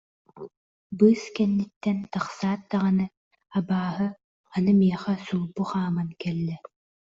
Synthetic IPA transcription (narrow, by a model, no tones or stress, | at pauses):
bɯːskɛnːit̪ːɛnt̪aχsaːt̪̚d̪aʁanɯ | abaːɦɯ | anɯmiɛχɛsulˠbuχaːmankɛlːɛ